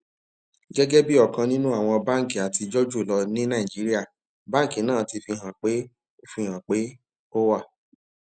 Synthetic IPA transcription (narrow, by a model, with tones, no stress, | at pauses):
ɡɛ˦ɡɛ˦bi˦ɔ˦˨kã˧nĩ˦nũ˦a˦˨w̃ɔ̃˧ba˦ŋ̩˨ki˨a˨ti˧d͡ʒɔ˦d͡ʒu˦˨lɔ˧nĩ˦nã˦˨i˨d͡ʒi˨˦ɾi˦a˦˨ | bã˦˨ki˨˦nãː˦˨ti˧fi˧ɦã˨k͡pe˨˦ | o˦fi˧˨hã˨k͡pe˨˦ | o˦wa˦˨